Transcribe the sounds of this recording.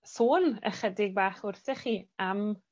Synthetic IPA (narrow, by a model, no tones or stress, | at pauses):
sθuːnə̰χədɪɡ̚baːχʊrθɪχiːam